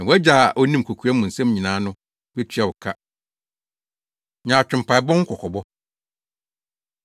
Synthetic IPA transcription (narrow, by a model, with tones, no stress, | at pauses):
na˨wæ˦d͡ʑa˨ʔɔ˦nĩ˦m˨kʰo˨kʰu˨˦a˦mʊ̃˨n̩˨sɛ̃˦mɲĩ˨nãː˨˦nʊ̃˦ | bɛ˦tʰɥa˨wʊ˨kʰa˦ | ɲãː˨t͡ɕʰᶣʊ̃˨m̩˨pʰa˨i˨bɔ̃˦ŋ̩˦kʰɔ˨kʰɔ˨bɔ˦